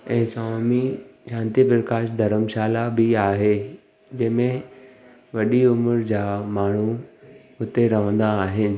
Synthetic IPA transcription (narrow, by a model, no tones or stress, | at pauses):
ɛ̃ːsaːmiʃãːnt̪ipɾɐkaːʃd̪ʱɐɾəmʃaːlabɪaːɦe | d͡ʑɐ̃ɦɪ̃mẽ | ʋɐɗiʊmʊɾd͡ʑaːmaːɳ̤u | ʊt̪eɾɐʋə̃n̆d̪aːɦɪnɪ̆